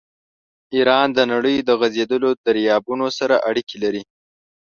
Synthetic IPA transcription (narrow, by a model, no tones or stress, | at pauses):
iɾɑnd̪ənaɽəjd̪əɣazed̪əlod̪aɾjɑbunosaɾaʔaɽikelaɾi